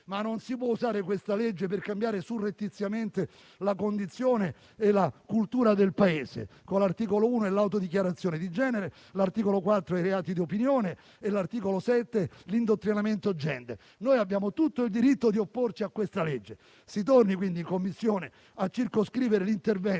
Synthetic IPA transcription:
manːonsipwɔuzaːɾekwest̪aled͡ʒːeperkambjaːɾesurːet̪ːit̪sːjament̪e | lakond̪it̪sːjoːneː | lakult̪uːɾad̪elpaeːsḛkolart̪iːkolouːnoɛlawt̪od̪ik̬jaɾat̪sːjoːned̪id͡ʒɛːneɾe | lart̪iːkolokwat̪ːɾoajɾeaːt̪id̪iopinjoːneː | lart̪iːkolosɛt̪ːelind̪ot̪ːɾinament̪od͡ʒːɛ̰nd̪ḛ | noːjabːjaːmot̪ut̪ːoild̪iɾit̪ːod̪iopːort͡ʃiakːwest̪aled͡ʒːe | sit̪̬ornikwind̪iŋkomːisːjoːne | at͡ʃːirkoskɾiːveɾelint̪ervɛ

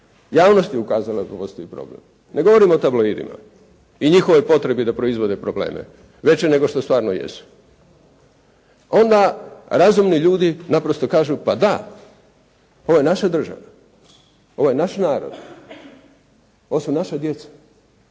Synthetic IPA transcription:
jaːʋno̞st̪jeukaːzalad̪apo̞st̪o̞ipɾo̰blḛm | ne̞ɡo̞ʋoɾimot̪abloid̪ḭma̰ | iɲixo̞ʋo̞jpo̞t̪ɾe̞bid̪apɾo̞izʋo̞d̪epɾoblḛːmḛ | ʋe̞t͡ɕene̞ɡo̞ʃt̪ost̪ʋaːɾnojḛsu̥ | o̞nd̪aɾazumniʎuːd̪inapɾost̪o̞kaːʒupad̪a | oʋoje̞naʃad̪r̩ʒa̰ʋa | o̞ʋoje̞naʃnaːɾo̰d̪ | oʋosunaʃad̪je̞t̪sḁ

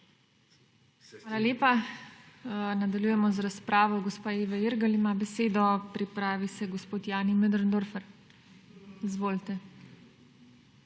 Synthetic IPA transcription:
xʋaːlaljeːpa | nad̪aljujɛmɔzɾaspɾʔaːʋɔɡɔspaːeːʋɛiɾɡalimabɛseːd̪ɔpɾipɾaːʋisɛɡospoːt̪jaːnimɛd̪ɾnd̪oɾfɛɾ | izʋoːlt̪ɛ

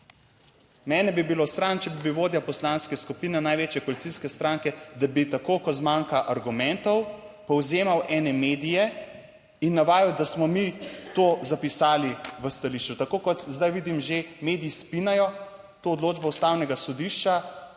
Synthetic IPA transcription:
mɛːnɛbibilosɾant͡ʃɛbibiʋoːd̪japɔslanskɛskupinɛnajʋeːt͡ʃjɛkɔlit̪siskɛst̪ɾaŋkɛd̪abit̪akoːkɔt̪zmaŋkaʔaɾɡumɛnt̪ɔwpɔwzeːmawʔɛːnɛmed̪ijɛ | inːaʋaːjɔwd̪asmɔmit̪oːzapisaːliʋəst̪aliʃt͡ʃut̪akoːkɔt̪zd̪ajʋid̪imʒemeːd̪iːspinajɔ | t̪oːd̪loːd͡ʒbɔust̪aːwnɛɡasɔd̪iʃt͡ʃa

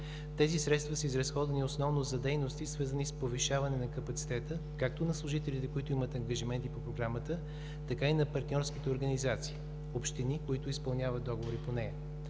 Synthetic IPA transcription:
t̪ɛzisɾɛt̪st̪vɐsəizɾɐsxɔd̪vɐnʲiosnɔvnozɐd̪ɛjnost̪isvəɾzənispoviʃavɐnɛnɐkɐpɐt̪si̥t̪ɛt̪əkak̚t̪onɐslˠʊʒit̪ɛlit̪ɛkoit̪ʊimət̪ɐŋɡɐʒimɛnt̪ipopɾoɡɾamət̪ə | t̪ɐkainɐpɐɾt̪nʲɔɾskit̪ɛoɾɡɐnizat̪si̥ː | opʃt̪inikoit̪ʊispɐlˠnʲjavɐt̪̚d̪ɔɡovoɾiponɛjɐ

